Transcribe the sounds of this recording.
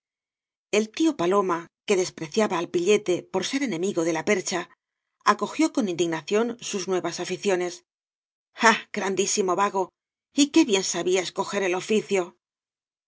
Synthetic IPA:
e̞lt̪io̞palo̞make̞ðe̞spɾe̞θjaβaːlpiʎe̞t̪e̞po̞ɾse̞ɾe̞nẽ̞miɣo̞ðe̞lape̞ɾt͡ʃa | ako̞xjo̞ko̞nĩnd̪iɣnaθjo̞nsuznwe̞βasafiθjo̞ne̞s | aɡ̥ɾand̪isimo̞βaɣo̞ | ike̞βje̞nsaβiae̞sko̞xe̞ɾe̞lo̞fiθjo̞

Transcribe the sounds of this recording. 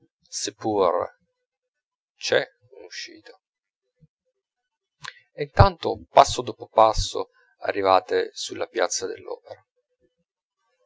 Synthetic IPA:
sepːur | t͡ʃɛ | unuʃːḭːt̪o | int̪ant̪opasːod̪ɔːpopasːo̰ | a̰rːivaːt̪esulːʔapjat̪sːad̪elːɔ̰ːpeɾa

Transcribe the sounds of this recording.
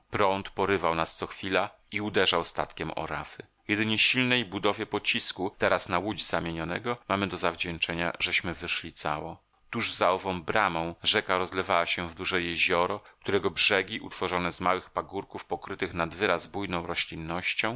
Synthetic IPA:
pɾɔnt̪pɔɾɘvawnast̪sɔxfʲila | iud̪ɛʐawst̪a̰t̪kʲɛmɔ̰ɾa̰fɘ | jɛd̪ɘɲɛɕilnɛjbud̪ɔvʲjɛpɔt͡ɕiskut̪ɛɾasnawud͡ʑzamʲjeɲɔnɛ̰ɡɔmamɘd̪ɔzavd͡ʑɛnt͡ʂɛɲa̰ʐɛɕmɘvɘʂlʲit̪sa̰wɔ | t̪uʐzaɔvɔ̃w̃bɾamɔ̃w̃ʐɛkaɾɔzlɛvawaɕɛvd̪uʐɛjɛʑɔɾɔkt̪uɾɛɡɔbʐɛɡʲiʔṵt̪fɔʐɔnɛzmawɘxpaɡuɾkufpɔkɾɘt̪ɘxnad̪vɘɾazbujnɔ̃w̃ɾɔɕlʲinːɔɕt͡ɕɔ̃w̃

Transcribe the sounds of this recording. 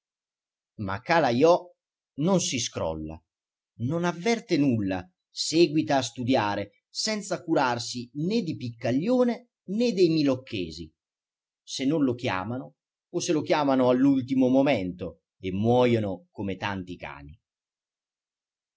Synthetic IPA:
ma̰kːalajɔ | nonsiskɾɔ̰lːa̰ | nonavːɛrt̪enulːa̰ | seːɡwit̪aːst̪ud̪jaːɾe | sɛnt̪sakuɾarsined̪ipikːaʎːoːne | nɛd̪ɛjmilokːḛːzi | senːonlokja̰ːmanʊː | selok̟jaːmanʊalːult̪imomomɛnt̪o | emːwɔːjonokomet̪ant̪ika̰ːni

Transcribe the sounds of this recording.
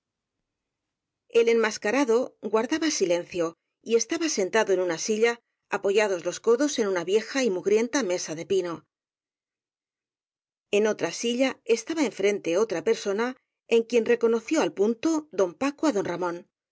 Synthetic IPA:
e̞le̞nmaskaɾaðo̞ɡwaɾðaβasile̞nθjo̞ | ie̞st̪aβase̞nt̪aðo̞e̞nunasiʎaː | po̞ʝað̞o̞zlo̞sko̞ðo̞se̞nunaβje̞xaimuɣɾje̞nt̪ame̞saðe̞pino̞ | e̞no̞t̪ɾasiʎae̞st̪aβae̞ɱfɾe̞nt̪e̞o̞t̪ɾape̞ɾso̞na | eŋkje̞nre̞ko̞no̞θjo̞alpunt̪oðo̞mpakoaðo̞nramõ̞n

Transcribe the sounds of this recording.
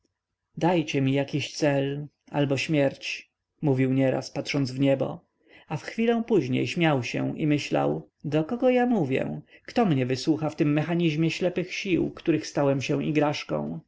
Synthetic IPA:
d̪ajt͡ɕɛmʲijakʲiɕt̪sɛl | albɔɕmʲjɛɾt͡ɕ | muvʲiwɲɛɾa̰spat̪ʂɔnd̪zvɲɛbɔ̰ | afxfʲilɔ̃w̃puʑɲḛjɕmʲjawɕɛ̰ʔḭmɘɕla̰w | d̪ɔkɔɡɔjamuvʲjɛ̰kt̪ɔmɲɛvɘswuxaft̪ɘmːɛxaɲiʑmʲjɛɕlɛpɘxɕiwkt̪uɾɘxst̪awɛmɕɛ̃ʔḭɡɾaʂkɔ̰̃w̃

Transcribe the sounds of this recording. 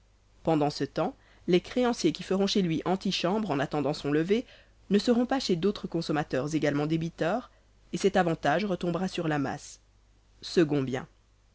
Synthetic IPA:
pɑ̃d̪ɑ̃sət̪ɑ̃ | lɛkχeɑ̃sjekʲifəʁɔ̃ʃelɥiʔɑ̃t̪iʃɑ̃bʁɑ̃nat̪ɑ̃d̪ɑ̃sɔ̃ləve | nəsəʁɔ̃paʃed̪ot̪χəkɔ̃sɔmat̪œʁzeɡalmɑ̃d̪ebit̪œːʁ | esɛt̪avɑ̃t̪aʒʁət̪ɔ̃bʁasyʁlama̰s | səɡɔ̃bjɛ̰̃

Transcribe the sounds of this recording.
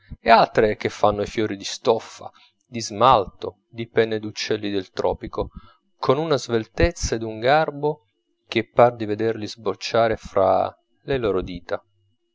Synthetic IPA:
ealt̪ɾekefːanːoifjɔːɾid̪ist̪ɔfːa̰ | d̪izmalt̪o | d̪ipɛnːed̪ut͡ʃːɛlːid̪elt̪ɾʔɔ̰ːpiko | kʰonunazvelt̪et̪sːaed̪uŋɡarbo | k̟epːard̪ived̪erlizbot͡ʃːaːɾefɾa̰ | leloːɾod̪iːt̪a

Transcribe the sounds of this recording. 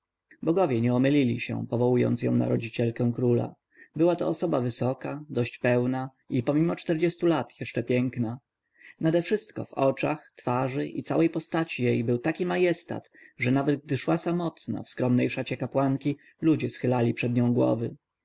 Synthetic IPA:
bɔɡɔvʲjɛɲɛɔmɘlʲilʲiɕɛ̰̃pɔvɔwujɔ̰nt̪sjɔ̰̃w̃na̰ɾɔd͡ʑit͡ɕɛlkɛ̃w̃kɾula̰ | bɘwat̪ɔːsɔbavɘsɔkad̪ɔɕt͡ɕpɛwna | ipɔmʲimɔt͡ʂt̪ɛɾd͡ʑɛst̪ulat̪jɛʂt͡ʂɛpʲjɛŋkna | nad̪ɛfʂɘst̪kɔ̰vɔt͡ʂaxt̪faʐɘʔḭt̪sawɛjpɔst̪at͡ɕijejbɘwt̪akʲimajɛst̪a̰t̪ʐɛnavɛd̪̚ɡ̚d̪ɘʂwasamɔt̪na̰fskɾɔmnɛjʂat͡ɕɛkapwaŋkʲi | lud͡ʑɛsxɘlalʲipʂɛd̪ɲɔ̃w̃ɡwɔ̰vɘ

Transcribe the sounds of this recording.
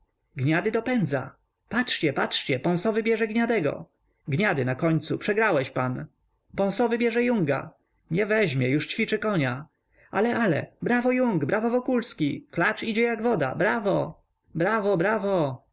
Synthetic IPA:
ɡɲad̪ɘd̪ɔpɛnd̪za̰ | patʂt͡ɕɛpatʂt͡ɕɛpɔ̃w̃sɔvɘbʲjɛʐɛɡɲad̪ɛɡɔ̰ | ɡɲad̪ɘnakɔɲt̪supʂɛɡɾawɛɕpan | pɔ̃w̃sɔvɘbʲjɛʐɛjuŋɡa̰ | ɲɛvɛʑmʲjɛjuʂt͡ɕfʲit͡ʂɘkɔɲa | alɛʔalɛ̰bɾavɔjuŋɡbɾʔavɔvɔkulskʲiklat͡ʂid͡ʑɛjaɡvɔd̪a̰bɾavɔ | bɾavɔbɾavɔ

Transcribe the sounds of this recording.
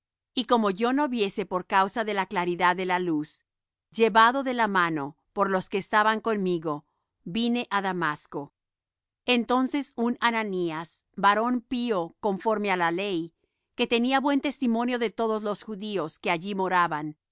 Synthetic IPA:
iko̞mo̞ʝo̞no̞βje̞se̞po̞ɾkawsaðe̞laklaɾiðaðːe̞lalus | ʝe̞βaðo̞ðe̞lamano̞ | po̞ɾlo̞ske̞ːst̪aβaŋko̞nmiɣo̞ | bine̞ʔaðamasko̞ | ent̪o̞nse̞sunananias | baɾo̞npio̞ko̞ɱfo̞ɾme̞alale̞j | ke̞t̪e̞niaβwe̞nt̪e̞st̪imõ̞njo̞ðe̞t̪o̞ðo̞zlo̞sxuðio̞ske̞aʝimo̞ɾaβan

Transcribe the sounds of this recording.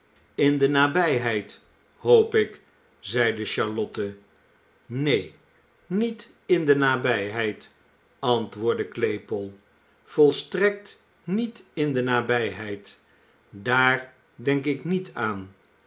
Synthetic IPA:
ɪndənaːbɛjɦɛjt | howpɪk | zɛjdəʃɑɹlɔtə | nej | nit | ɪndənaːbɛjɦɛjt | ɑntʋʊːɹdəklejpəlˠ | v̥ɔlˠstrɛk̚t | nitɪndənaːbɛjɦɛjt | daːɹ | dɛŋkɪknitʰaːn

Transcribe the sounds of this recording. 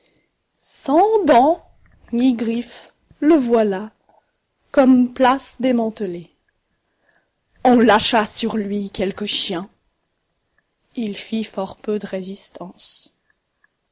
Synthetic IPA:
sɑ̃d̪ɑ̃ | ŋiɡʁif | ləvwala | kɔmplasd̪emɑ̃t̪əle | ɔ̃laʃasyʁlɥikʲɛlkəʃjɛ̃ | ilfifɔʁpød̪əʁezist̪ɑ̃s

